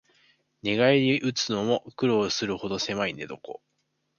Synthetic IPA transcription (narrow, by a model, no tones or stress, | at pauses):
nʲeɡaid̪iʔɯ̟t͡sɨno̞mo̞kɯ̟ɾo̞ːsɨɾɯ̟ho̞d̪o̞se̞maine̞d̪o̞ko̞̰